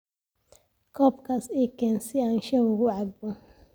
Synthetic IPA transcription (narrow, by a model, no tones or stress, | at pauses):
kʰɔːbkʰɐsɛːkʰɛːnsɪaːnʃɛwʊɣʊʕɑɡ̚bɔ